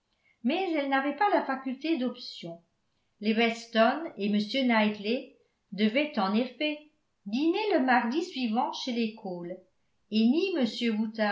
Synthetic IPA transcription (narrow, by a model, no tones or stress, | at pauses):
mɛzɛlnavɛpalafakʲylt̪ed̪ɔpsjɔ̃ | lewɛst̪ɔneməsjønajt̪le | d̪əvɛt̪ɑ̃nɛʁfe | d̪ineləmaʁd̪isɥivɑ̃ʃelekʰol | eniməsjøwut̪a